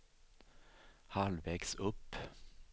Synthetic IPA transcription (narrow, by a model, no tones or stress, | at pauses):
halvɛːksɵpː